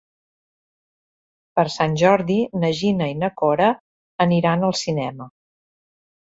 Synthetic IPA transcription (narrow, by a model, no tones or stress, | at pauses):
pəɾsanʲʒɔɾðinəʒinəinəkɔɾəː | niɾanəlˠsinɛmə